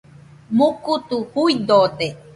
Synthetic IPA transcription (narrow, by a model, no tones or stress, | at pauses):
mukut̪uhuid̪ot̪e